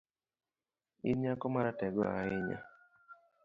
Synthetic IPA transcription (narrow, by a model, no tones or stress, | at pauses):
iɲakɔmaɾatɛɡɔ̰a̰ɪɲa̰